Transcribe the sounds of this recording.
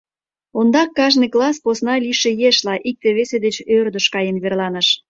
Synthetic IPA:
ond̪ɑkːɑʒnɨjklɑsposnɑlʲiʃejeʃlɑʔik̚t̪eβesed̪et͡ɕørd̪əʃkɑjenβerlɑnəʃ

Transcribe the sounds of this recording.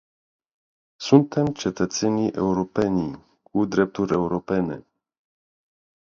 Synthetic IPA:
sunt̪e̞mt͡ʃe̞t̪ət̪se̞niʔe̞uɾo̞pe̞ni | kud̪ɾe̞p̚t̪uɾʲe̞uɾo̞pe̞ne̞̰

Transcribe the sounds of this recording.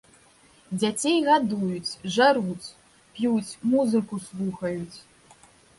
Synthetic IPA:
d͡zʲat͡sʲejɣad̪ujut͡sʲʐaɾut͡sʲ | pʲjut͡sʲmuzɨkuslˠuxɐjut͡sʲ

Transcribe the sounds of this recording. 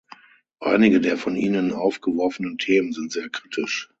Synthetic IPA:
ʔa̰ɪnɪɡədeːɐfɔniːnənʔaʊfɡ̥əvɔɐfənəntʰeːmənzɪntz̥eːɐkʁ̥iːtʰɪʃ

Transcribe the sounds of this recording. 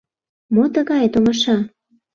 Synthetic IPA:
mot̪əɣɑjt̪oŋɤ̆ʃɑ

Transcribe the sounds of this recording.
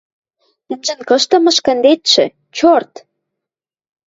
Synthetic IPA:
ɘ̆nʒɘ̆nkɤ̆ʃt̪ɤ̆mɤ̆ʃkə̆nd̪et̪ʃɘ̆ | t͡ɕort̪

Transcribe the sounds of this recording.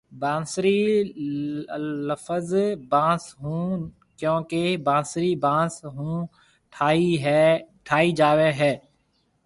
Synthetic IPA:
bãːsɾi | ləfəzbãːsɦũː | kjõːkebãːsɾibãːsɦũː | ʈʰːiɦ | ʈʰaːid͡ʒaːʋeɦɛː

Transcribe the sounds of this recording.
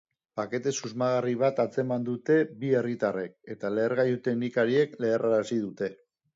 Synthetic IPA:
pake̞t̪e̞suzmaɣ̞ariβ̞at̪at͡se̞mand̪ut̪e̞bie̞rit̪arek̚e̞t̪ale̞ːɾɣajut̪e̞ɣnikaɾie̞kle̞ːrʔaɾasiðut̪e̞

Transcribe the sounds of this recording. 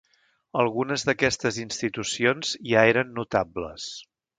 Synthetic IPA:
əlˠɣunəzðəkɛst̪əzinst̪it̪usionz̥jaeɾənːut̪abləs

